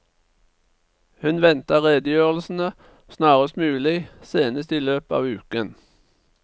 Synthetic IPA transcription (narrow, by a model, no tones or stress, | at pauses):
hʉnʋɛnt̪ɑʁeːd̪əjøːʁl̩sn̩ə | snɑːʁəst̪mʉːlɪseːnəst̪iːløːpɑ̰ːʋʉːkən